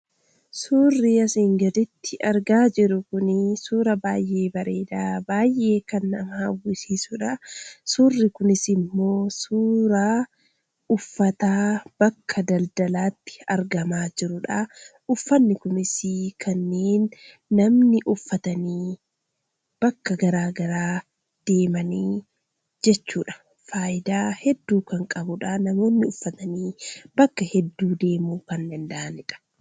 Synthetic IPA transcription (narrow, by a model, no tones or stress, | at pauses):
suːrːiɐsiːŋɡɐd̪ɪt̪ːɪʔɐɾɡaːd͡ʒɪɾʊkʊnɪsuːɾɐbaːjʔe̞ːbɐɾe̞ːd̪aːbaːjʔe̞ːkɐnːɐ̰mɐɐwːʊsiːsʊᶑɐsuːrːɪkʊnɪsɪmːo̞ːsuːɾa | ʊfːɐt̪aːb̥ɐkʰːɐd̪ɐld̪ɐlaːt̪ːɪ̥ɐ̰ɾɡɐmaːd͡ʒɪɾʊᶑɐ | ʊfːɐnːɪkʊmɪsikʰɐnːeːnː | ɐmnɪʔʊfːɐt̪ɐniː | b̥ɐkːɐɡɐɾaːɡɐɾaː | d̪̥e̞ːmɐniː | d͡ʒɛt͡ʃːuːᶑɐ̥ | faːʔɪd̪aːhɛd̪ːuːkɐŋkʼɐbʊᶑaːnɐmo̞ːnːɪʊfːɐt̪ɐniːb̥ɐkːɐhɛd̪ːuːd̪e̞ːmuːkɐndɐnd̪aʔɐnɪᶑɐ̥